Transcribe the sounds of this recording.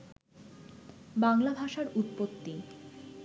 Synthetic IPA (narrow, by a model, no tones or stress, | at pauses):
baŋlabʱaʃaɾut̪̚pot̪ːi